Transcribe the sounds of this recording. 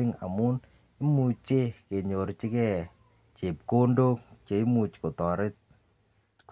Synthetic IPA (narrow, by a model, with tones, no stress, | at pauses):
ɪ˦ŋa̰˨mu˦n | i˦mu˨t͡ʃe˦ke˨ɲo˨ɾt͡ʃi˦kɛ˦˨ | t͡ʃe˨p̚ko˦ndo˦kt͡ʃe˨i˦mu˨t͡ʃko˨tɔ˨ɾɪ˦t̚